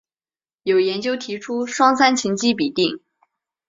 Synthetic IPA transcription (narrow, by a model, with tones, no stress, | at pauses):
jo˨˩ʊjɛ˧˥nt͡ɕjo˥ʊt̪ʰi˧˥ʈ͡ʂʰu˥ʂwɑ˥ŋsa˥nt͡ɕʰi˧˥ŋt͡ɕi˥p̬i˨˩t̪i˥˩ŋ